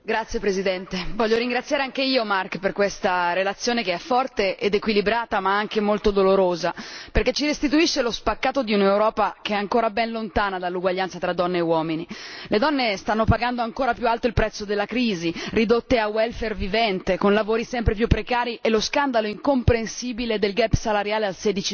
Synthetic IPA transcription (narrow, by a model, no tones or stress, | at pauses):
ɡɾat̪sjepɾezid̪ɛnt̪evɔʎːoɾiŋɡɾat̪sːjaːɾeaŋkeiːomarkperkwest̪aɾelat̪sːjoːnekeɛfːɔrt̪eʔed̪ekwilibɾaːt̪amaaŋkemolt̪od̪oloɾoːzaperket͡ʃːiɾest̪it̪uiʃːelospakːaːt̪od̪iunewɾɔːpakeɛaŋkoːɾabɛnlont̪aːnad̪alːuɡwaʎːant̪sat̪ɾad̪ːɔnːeːwɔːminiled̪ɔnːest̪anːopaɡand̪oaŋkoːɾapjualt̪oilpɾɛt̪sːod̪elːakɾiːzirid̪ot̪ːeawɛlfervivɛnt̪ekonlavoːɾisɛmpɾepjupːɾekaːɾiʔeloskand̪aloiŋkompɾensiːbiled̪elɡɛpːsalaɾjaːlealseːd̪it͡ʃi